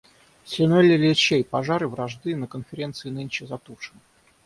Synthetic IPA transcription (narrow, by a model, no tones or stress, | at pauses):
sʲɪnolʲɪlʲɪt͡ɕejpɐʐaɾɨvɾɐʐd̪ɨnəkənfʲɪɾʲe̞nt̪sɨɪnɨnʲt͡ɕɪzɐt̪uʂɨn